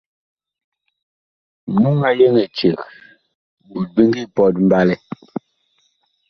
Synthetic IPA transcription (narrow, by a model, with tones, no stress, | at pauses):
mu˦ŋa˦je˦ŋɛ˨t͡ʃe˨k | bu˨l̚bi˦ŋɡi˦˨pɔ˦˨t̚m̩˦ba˦lɛ˦